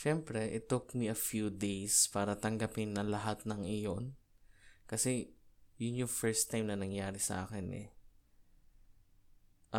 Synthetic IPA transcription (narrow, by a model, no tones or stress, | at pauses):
ʃɛmpɾɛʔɪt̪ːʊkmiɐfjud̪ejspaːɾɐt̪ɐŋɡɐpɪnːɐŋlɐɦat̪̚nɐŋʔɪjon | kɐsɛjʊnjʊŋfɛɹst̪ːajmnɐnɐŋjaːɾɪsɐ̰ʔa̰ːkɪnʔɛ̰ | ʔ